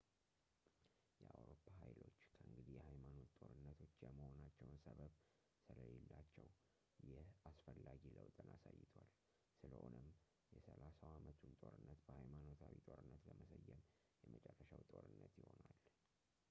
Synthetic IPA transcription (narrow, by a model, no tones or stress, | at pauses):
jɛawɾopʰːaɦajlo̞t͡ʃːkʰəɨŋɡɨd̪ijɛhajmano̞t̪ːʼo̞ɾɨnːət̪ʰo̞t͡ʃːjɛməho̞nat͡ʃːɛwnsəβəβ | sɨləlelːat͡ʃːɛw | jɛasfəlːaɡiləwt̪ʼɨnasajːɪt̪ʰal | sɨləho̞nɨm | jɛsəlasawamət̪ʰunt̪ʼo̞ɾɨnːət̪b̥əhajmano̞t̪ʰawit̪ʼo̞ɾɨnːət̪ləməsəjːɛm | jɛmət͡ʃʼɛrːəʃawt̪ʼo̞ɾɨnːət̪jɪho̞nal